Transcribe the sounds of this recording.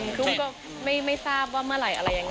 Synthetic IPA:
nkʰu˥˩kɔː˥˩ | ma˥˩jma˥˩jsaː˥˩p̚waː˥˩mɯ˥˩ɐɾa˨˩jʔa̰˧ɾa˧jːa˧ŋː

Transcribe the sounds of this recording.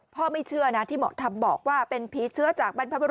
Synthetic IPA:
pʰɔː˥˩ma˥˩jt͡ɕʰɯ˥˩ɐna˦˥t̪ʰiː˥˩mɔ̰˨˩t̪ʰa˧mbɔː˨˩k̚waː˥˩pe˧npʰiː˦˥t͡ɕʰɯ˦˥ɐt͡ɕaː˨˩k̚ba˧npʰa˦˥ba˧

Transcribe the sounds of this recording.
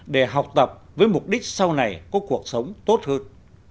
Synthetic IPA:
ɗe˧˩ɦa˨˩wk͡p̚t̪ə˨˩p̚vəː˨˦jmʊ˨˩k͡p̚ɗi˦˥k̟̚sa˧wna˨˩jkɔ˨˦ku˨˩ək̚sə˨˦wŋ͡mt̪o˦˥t̚həː˧n

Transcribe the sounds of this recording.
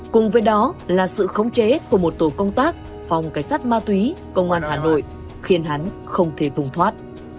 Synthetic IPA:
kʊ˨˩ŋ͡mvəː˨˦jɗɔ˨˦laː˨˩sɨ̰˧˨xə˨˦wŋ͡mt͡ɕe˨˦ku˧˩əmo˨˩t̚t̪o˨˩kə˧wŋ͡mt̪aː˦˥k̚ | va˨˩wŋ͡mkaː˨˩jsaː˦˥t̚maː˧t̪wi˨˦kə˧wŋ͡mʔaː˧nhaː˨˩no̰˧˨jʔ | xi˨˧ənɦa˨˦n | xə˧wŋ͡mt̪ʰe˧˩fʊ˨˧˩ŋ͡mt̪ʰwaː˦˥t̚

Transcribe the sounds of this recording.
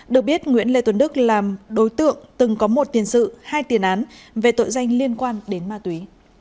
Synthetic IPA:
ɗɨ˨˩ək̚ɓi˦˥ət̚ŋwḭ˧˥ənle˧t̪wə˨˦nɗɨ˦˥k̚laː˨˩mɗo˨˦jt̪ɨ̰˧˨əŋt̪ɨ˨˩ŋkɔ˨˦mo˨˩t̚t̪i˨˩ənsɨ̰˧˨haː˧jt̪i˨˩ənʔaː˨˦nve˨˩t̪o̰˧˨jza˧jŋ̟li˧ənkwaː˧nɗe˨˦nmaː˧t̪wi˨˦

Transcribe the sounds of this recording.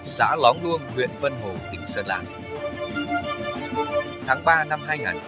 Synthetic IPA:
sa̰ː˧˥lɔ˨˦nlu˧ənŋwḭ˧˨ənvə˧nɦo˨˩t̪ï˨˩ŋ̟səː˧˩la̰ː˧˨˩n | t̪ʰaː˨˦ŋɓaː˧na˧mɦaː˧jŋaː˨˩n

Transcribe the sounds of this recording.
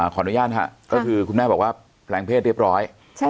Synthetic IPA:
kʰɔ˩˦˧nu˦jaː˥˩t̪̚ʰa̰˧˩ʔkɔː˥˩kʰɯː˧kʰu˧naː˥˩bɔː˨˩k̚waː˥˩ | pʰlɛː˧ŋpʰeː˥˩t̪̚ɾi˥˩p̚ɾɔː˦˥j | t͡ɕ

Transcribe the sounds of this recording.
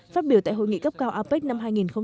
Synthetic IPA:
faː˦˥t̚ɓi˧˩ət̪ːɦo̰˧˨ŋḭ˧˨kə˦˥p̚kaː˧wʔaː˧pe˦˥t̚na˧mɦaː˧jŋi˨˩nxə˧wŋ͡m

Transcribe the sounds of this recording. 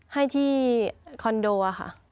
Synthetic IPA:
ha˥˩jt̪ʰiː˥˩kʰɔ˧ndoː˧ʔa˧xʰa̰˥˩ʔ

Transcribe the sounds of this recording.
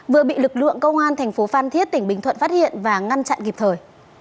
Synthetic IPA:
vɨ˨˩əɓḭ˧˨lɨ˨˩k̚lɨ̰˧˨əŋkə˧wŋ͡mʔaː˧nt̪ʰɛ˨˩jŋ̟fo˨˦faː˧nt̪ʰi˦˥ət̚t̪ï˧˩ŋ̟ɓï˨˩ŋt̪ʰwə̰˧˨nfaː˦˥t̚hḭ˧˨ənvaː˨˩ŋa˧nt͡ɕa̰˧˨nki˨˩p̚t̪ʰəː˨˩j

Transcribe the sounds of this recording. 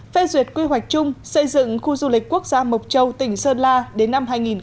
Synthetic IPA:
fe˧zwi˨˩ət̚kwi˧ɦwa˨˩jk̚t͡ɕʊ˧ŋ͡msə˧jzɨ̰˧˨ŋxu˧zu˧lï˨˩k̚ku˦˥ək̚zaː˧mə˨˩wk͡p̚t͡ɕə˧wt̪ï˧˩ŋ̟səː˧nlaː˧ɗe˨˦nːa˧mɦaː˧jŋi˨˩n

